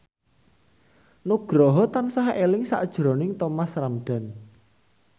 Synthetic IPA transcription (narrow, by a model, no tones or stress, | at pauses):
nuɡ̥ɾɔɦɔt̪ansaɦʔelɪŋsa̰ʔd̥ʒ̥ɾonɪŋt̪ɔmasramɖ̪̥a̤n